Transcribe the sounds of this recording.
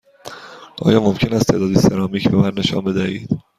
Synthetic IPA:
ʔɒ̰ːjɒːmomcʰe̞næst̪ʰe̞ːd̪ɒːd̪iseɾɒːmiːcbemænːe̞ʃɒ̰ːnbe̞d̪æhiːd̪̥

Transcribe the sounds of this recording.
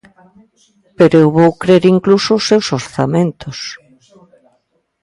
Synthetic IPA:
peɾoewβowkɾeɾiŋklusʊʊsːewsoɾθamẽnt̪ʊs

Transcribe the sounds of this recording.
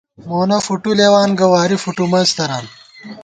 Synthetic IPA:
moːnɐfuʈuleːwaːnɡɐwaːɾifuʈumɐst̪ɐɾaːn

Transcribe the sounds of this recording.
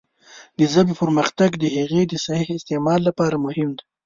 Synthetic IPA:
d̪əzabpəɾməxt̪aɡd̪əɦeɣed̪əsahihɪst̪emɑlːapɑɾamʊhɪmd̪ḁ

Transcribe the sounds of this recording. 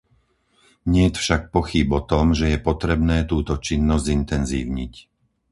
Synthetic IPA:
ɲɪɛjt̪fʃak̚pɔxibɔt̪ɔmʒɛjɛpɔt̪ɾɛbnɛːt̪uːt̪ɔt͡ʃinːɔzzint̪ɛnzḭːʊɲic

